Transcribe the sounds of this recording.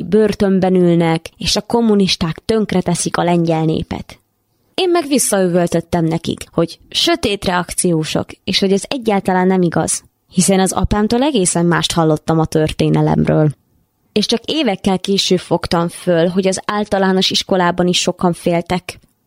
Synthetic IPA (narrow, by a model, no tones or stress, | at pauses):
børt̪ømbɛnylnɛkeːʃɒko̞mːuniʃt̪aːkt̪ø̞ŋkrɛt̪ɛsikɒlɛɲɟɛlnḛːpɛ̰t̪ | eːmːɛɡʋisːɒyvølt̪ø̞t̪ːɛmnɛkḭkho̞ɟʃø̞t̪eːt̪rɛɒkt̪sijoːʃo̞̰keːʃho̞ɟɛzɛɟːaːlt̪ɒlaːnːɛmiɡɒ̰z̥ | hisɛnɒzɒ̰paːmt̪oːlɛɡeːsɛmːaːʃt̪hɒlːo̞t̪ːɒmɒt̪ørt̪eːnɛlɛ̰mrø̰ːl | eːʃt͡ʃɒkeːvɛkːɛlkeːʃøːbfo̞kt̪ɒɱfølɦo̞ɟɒzaːlt̪ɒlaːno̞ʃiʃko̞laːbɒniʃːo̞kɒɱfeːlt̪ɛk